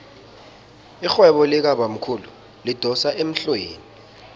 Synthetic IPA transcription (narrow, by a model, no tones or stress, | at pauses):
ixwɛɓɔlik̬aɓam̩kʰulu | lid̥ʱɔsaʔem̩ɬweːni